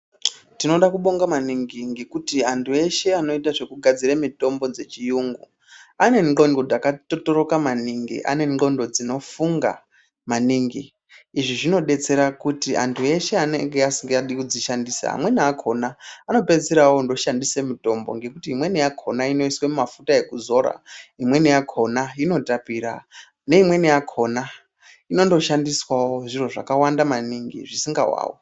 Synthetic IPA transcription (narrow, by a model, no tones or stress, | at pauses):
tino̞ɗakuɓo̞ŋɡamaniŋɡiŋɡe̞kutiantʰue̞ʃe̞ano̞itaʐe̞kuɡʱad͡ziɾemito̞mbo̞d͡ze̞t͡ʃijuːŋɡu | ane̞ŋɡo̞ndo̞d͡zakatotoɾo̞kamaniŋɡḭʔa̰ne̞ŋo̞ndo̞d͡zino̞fuŋɡa̰ | maniːŋɡiː | ʐiʐino̞ɗe̞t͡se̞ɾakutiʔa̰ntʰue̞ʃe̞anḛŋɡeasiŋɡeaɗikud͡ziʃandisa̰a̰mwe̞niakʰo̞naːno̞pe̞d͡zeɾawondo̞ʃandise̞muto̞mbo̞ŋɡe̞kutiːmwe̞nijakʰo̞naino̞iswemumafutae̞kuzo̞ɾa̰imwe̞nijakʰo̞naino̞tapiɾa̰ | ne̞imwe̞nijakʰo̞na | ino̞ndo̞ʃandiswawoʐiro̞ʐa̰kawandamaniŋɡḭʐisiŋɡa̰wa̰ːwo